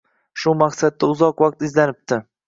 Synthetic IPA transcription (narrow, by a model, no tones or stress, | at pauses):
ʃʊmaqsad̪̚ːaʊzɒqvaq̚t̪ɪzlanɪp̚t̪ʰɪ